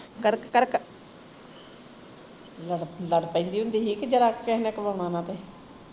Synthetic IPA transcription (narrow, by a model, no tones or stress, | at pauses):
kəɾkkəɾk | ləɖləɽpːĩːnd̪iːɦʊ̃nd̪iːɦiːkd͡ʒəɾaːkɛːɦnɛ̃ːkəʋaːɳ̃ãːnãːt̪eː